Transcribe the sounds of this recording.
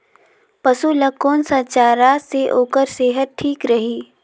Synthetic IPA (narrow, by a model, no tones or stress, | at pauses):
pɐsulɐkoːnsaːt͡ʃaːɾaseʔoːkəɾseːɦət̪̚ʈʰiːkɾɐɦiː